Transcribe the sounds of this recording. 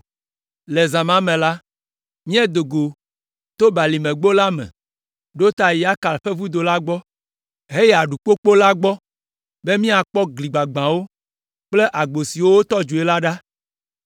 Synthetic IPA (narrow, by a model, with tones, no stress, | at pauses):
le˨zã˨mã˦mɛ̃˨la˦ | mĩ˦ɛ˦d̪o˨ɡo˨ | t̪o˦ba˨li˨mẽ˨ɡ͡bo˦la˦mɛ̰̃˨ | ɖo˦t̪a˨ji˨˦a˦ka˨lɸe˦vu˦d̪o˨la˦ɡ͡bɔ˦ | ɦe˦jɛ˦˨a˨ɖu˨k͡po˦k͡po˦la˦ɡ͡bɔ˦ | be˦mĩ˦a˨k͡pɔ˦ɡli˨ɡ͡ba˨ɡ͡bã˨wo˦ | k͡ple˦ʔa˨ɡ͡bo˨si˨wo˦wo˦t̪ɔ˦d͡ʒu˨e˦la˦ɖa˦